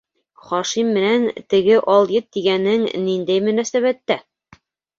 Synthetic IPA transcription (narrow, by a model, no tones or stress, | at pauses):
χɒʃimːɘ̆nænt̪ɘ̆ɡɘʔɑlˠjɘt̪ːiɡænɘŋnind̪æjmɵ̆næsæβæt̪ːæ